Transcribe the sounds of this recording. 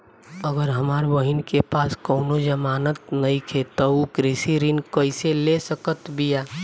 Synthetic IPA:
əɡəɾɦəmaːɾʋəɦɪnkepaːskəʊnod͡ʒəmaːnət̪nəĩkʰet̪ɔukɾisiɾinkəɪselesəkət̪bʱiaː

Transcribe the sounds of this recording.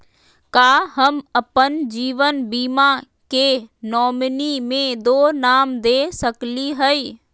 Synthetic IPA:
kaːɦɐmɐpənd͡ʑiːʋənbiːma | keːnɔːmnimẽd̪oːnaːmd̪eːsɐkliɦɐi

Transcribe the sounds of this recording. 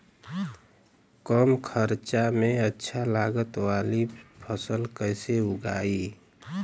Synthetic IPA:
kɔmkʰəɾt͡ʃamẽətːʃʰalaːɡət̪waːlipʰəsəlkəɪseʊɡaːi

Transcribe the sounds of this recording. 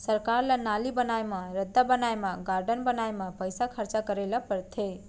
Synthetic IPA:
səɾkaɾlənalibənajməɾəd̪ːabənajmaɡaɾɖənbənajməpəjsakʰəɾt͡ʃakəɾelapəɾt̪ʰe

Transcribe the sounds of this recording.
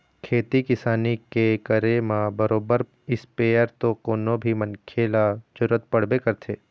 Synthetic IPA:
kʰeːt̪ikɪsaːnikekəɾemãbɐɾoːbəɾ | ɪspeːəɾt̪okoːnobʱimɐ̃nkʰelad͡ʒʊɾət̪̚pɐɽ̤bekɐɾt̪ʰeː

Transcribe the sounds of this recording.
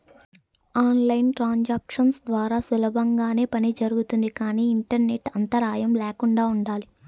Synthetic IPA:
aːnlɐjnʈɾaːɲd͡ʒaːkʂɐnsd̪ʋaːɾaːsulɐbʱɐŋɡaːne̞ːpɐnid͡ʒɐɾuɡut̪und̪ikaːniːɳʈɐɾne̞ʈːɐnt̪ɐɾaːjɐmlɛːkuɳɖaːuɳɖaːli

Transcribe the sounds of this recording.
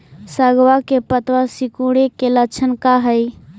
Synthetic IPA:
səɡwakepət̪wasikuɽekelət͡ʃʰənkaɦəj

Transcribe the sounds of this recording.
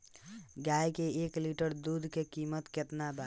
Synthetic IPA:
ɡajkeekliʈəɾd̪ud̪ʱkekimət̪ket̪naba

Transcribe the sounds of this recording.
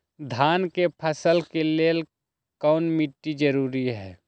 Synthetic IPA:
d̪ʱaːnkepʰəsəlkeleːl | kɔːnmiʈːid͡ʒəɾuːɾiɦɛː

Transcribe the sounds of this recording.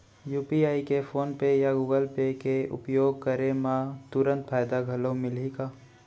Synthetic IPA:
juːpiaːikefʰoːnpejaɡuːɡəlpekeʊ̰pjoːɡ̚kəɾemãt̪ʊɾə̃nt̪fʰaːjd̪aɡʱɐlõmɪlikaː

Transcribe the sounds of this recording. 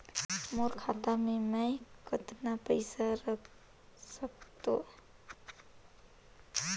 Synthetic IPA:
moɾkʰaːt̪amẽməikət̪napəɪsaɾəkʰ | sək̚t̪o

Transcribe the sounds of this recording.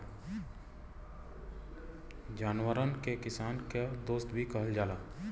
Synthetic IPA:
d͡ʒaːnwəɾənkekɪsaːnked̪oːst̪bʱikəɦəld͡ʒaːlaː

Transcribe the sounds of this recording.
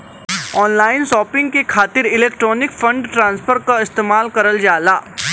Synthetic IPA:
ɔːnlaːɪnʃɔːpɪ̃ŋɡ̚kekʰaːt̪ɪɾɪleːkʈɾɔːnɪkfʰɐ̃ɳɖʈɾãːnspʰəɾkaɪst̪eːmaːlkɐɾəld͡ʒaːlaː

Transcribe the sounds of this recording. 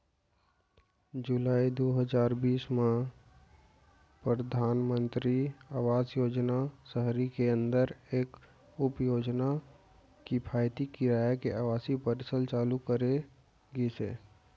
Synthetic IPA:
d͡ʒulaːid̪oɦəd͡ʒaːɾbiːsme | pɾəd̪ʱaːnmə̃nt̪ɾiaːwaːzjoːd͡ʒnasəɦɾikeə̃nd̪əɾeːk | ʊpjoːd͡ʒna | kipʰaːjt̪ikiɾaːjakeʔaːʋaːsipəɾsəlt͡ʃaːlukəɾe | ɡesḛː

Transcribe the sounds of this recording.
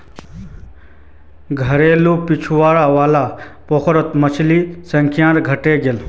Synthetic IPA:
ɡʱɐɾeːlupit͡ʃʰʋaːɽaʋaːlapokʰɾət̪mɐt͡ʃʰlisəŋkʰjãːt̪ɡʱɐʈeɡel

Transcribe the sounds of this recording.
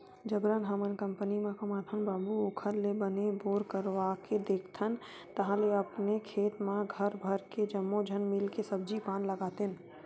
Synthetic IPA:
d͡ʒəbɾənɦəmənkə̃mpənimẽkəmat̪ʰənbaːbuokʰəɾlebəneboːɾkəɾʋaked̪eːkʰt̪ʰən | t̪əɦãleəpnekʰeːt̪mãɡʱəɾbʱəɾked͡ʒəmːod͡ʒʱənmɪlkesəb̚d͡ʒipaːnləɡaːt̪ən

